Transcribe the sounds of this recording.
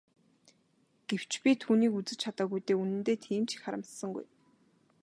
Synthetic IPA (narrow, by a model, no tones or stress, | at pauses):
ɡ̥ew̥t͡ɕpʲit̪ʰuːniːkut͡sɘ̆t͡ɕt͡ɕʰat̪aːɣujt̪eːunɘ̆nt̪eːt̪ʰiːmt͡ɕi̥xχaɾə̆mt̪sə̆ŋɡṵj